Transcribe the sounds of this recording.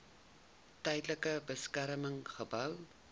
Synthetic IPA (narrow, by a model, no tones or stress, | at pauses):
tɐjdləkəbəskaɾəməŋχəbɐw